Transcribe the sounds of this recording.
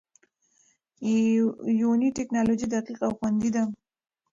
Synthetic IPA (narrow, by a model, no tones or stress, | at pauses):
joniʈeknɑlod͡ʒid̪aqiqawxwand̪id̪a